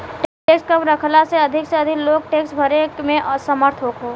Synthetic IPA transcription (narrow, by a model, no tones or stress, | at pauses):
ʈeːkskəmɾəkʰlaseɐd̪ʱɪkseɐd̪ʱɪkloːɡ̚ʈeːksʈbʱəɾekmẽsəməɾt̪ʰɦoːkɦoː